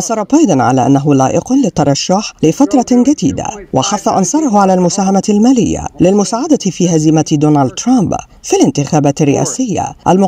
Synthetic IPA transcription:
ʔɑsˤɑɾˤɑbɑjd̪ˤɑnʕa̰laːʔanːaɦʊlaːʔɪqʊnlɪt̪ːɑɾˤɑʃːaħlɪfat̪ɾˤɑd͡ʒad̪iːd̪a̰waħaθːɑʔɑnsˤɑɾˤɑɦʊʕalaːlmʊsaːɦamalmaːlɪjːa̰lɪlmʊsaːʕad̪aɪfiːɦazɪmad̪uːnald̪̚t̪ɾˤamb | filɪnt̪ɪxaːbaːt̪ɪrːɪ̰ʔa̰ːsɪjːa̰ʔalmʊ

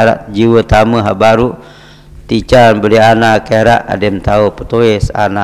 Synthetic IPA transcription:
ɾa̰ʔd͡ʒiwət̪aməɦabaɾu | t̪it͡ʃanbəlianakeɾaʔa̰demt̪aupət̪oɪsa̰na

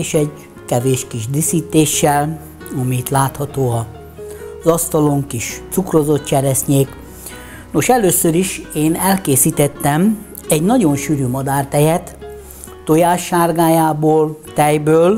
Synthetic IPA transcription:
eːʃɛɟ | kɛveːʃkiʒd̪isiːt̪eːʃːɛl | ɒmiit̪laːt̪hɒt̪oːɒ | zɒst̪ɒloŋkiʃt̪sukrozo̞t̪t͡ʃɛɾɛsɲeːk | no̞ʃɛløːsøɾiʃeːnɛlkeːsiːt̪ɛt̪ːɛm | ɛɟnɒɟo̞nʃyːɾyːmɒd̪aːrt̪ɛjɛt̪ː | ojaːʃːaːrɡaːjaːboːlt̪ɛjbøːl

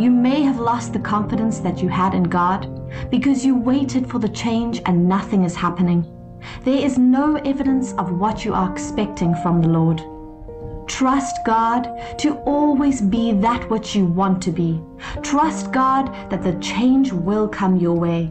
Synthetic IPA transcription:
jɨmeɪɨvlɔst̪̚ðɨkʰɑ̃ɱfɨɾɨ̃nsðɨt͡ʃɨəɾɨ̃nɡɑd̚b̥ɨkʰʌzjɨweɪɾɨd̥fə˞ðɨt͡ʃʰẽɪ̃nd͡ʒɨ̃nːʌθɪ̃ŋɨz̥hæpɨnɪ̃ŋ | ðə˞ɪznoʊʔɛvɨɾɨ̃nsʌvwʌt͡ʃɨʔə˞ɨkspɛk̚tʰɪ̃ŋfɹʌ̃mðəlɔɹd | tʰɹ̥ʌstɡ̥ɑd̚ | tʰɨɔlˠwizbiðət̚wʌt͡ʃɨwɑ̃ntʰɨbi | tʰɹ̥ʌst̚ɡ̥ɑd̪̚ðɨt̪̚ðɨt͡ʃʰẽɪ̃nd͡ʒwɪlˠkʰʌ̃mjə˞weɪ

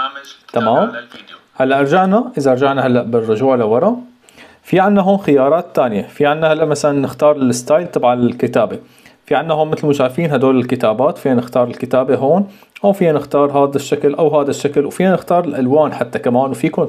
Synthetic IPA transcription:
t̪amaːm | halːaʔɑɾˤd͡ʒaʕnaʔɪzaʔɑɾˤd͡ʒaʕnahalːaʔbɪrˤːʊʒuːʕlawɑɾˤɑʔ | fiʕanːaɦoːnxɪjɑːɾˤɑːt̪ːaːnɪjafiʕanːahalːaʔmasalanːɪxt̪ɑːɾˤɪlɪst̪aːjlt̪ˤɑbʕɑnɪlkɪt̪aːbe | fiʕanːahoːmːɪt̪lmʊʃaːfiːnɦad̪oːlɪlkɪt̪aːbaːt̪fiːhanɪxt̪ɑːɾˤɪlkɪt̪aːbeɦoːn | ʔawfiːhanɪxt̪ɑːɾˤɦaːd̪aʃːaklʔawɦaːd̪aʃːaklwfiːhanɪxt̪ɑːɾˤɪlʔalwaːnħat̪ːakamaːnwfiːkʊn

